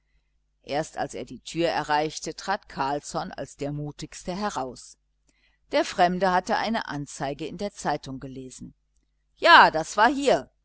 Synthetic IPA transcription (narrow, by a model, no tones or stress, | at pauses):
ʔeːɐsta̰lsḛːɐdiːtʰyːɐɛ̰ɐʁaɪçtətʁ̥aːtkʰaɐlsɔna̰lsd̥eːɐmuːtɪçstəɦɛʁaʊs | d̥eːɐfʁ̥ɛmdəɦatəʔa̰ɪnəʔa̰nt͡saɪɡəɪndeːɐt͡saɪtʊŋɡəleːzn̩ | jaːd̥asv̥aːɐɦiːɐ